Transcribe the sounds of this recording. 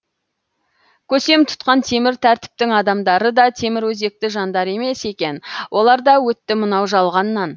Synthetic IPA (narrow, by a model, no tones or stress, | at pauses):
kʲʰɵse̞mt̪ʰʊ̥t̪qɑnt̪ʰe̞mɪɾt̪ʰæɾt̪ɪ̥p̚t̪ɪŋɑd̪ɑmd̪ɑɾəd̪ɑt̪ʰe̞mɪɾwɵze̞k̚t̪ɪʒɑnd̪ɑɾe̞me̞se̞kʲe̞nwʔo̞lˠɑɾd̪ɑwɵt̪ːɪmənɑwʒɑlˠʁɑnːɑn